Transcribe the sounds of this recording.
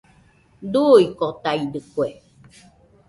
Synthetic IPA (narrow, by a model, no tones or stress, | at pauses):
d̪uikot̪aid̪ɨkʷe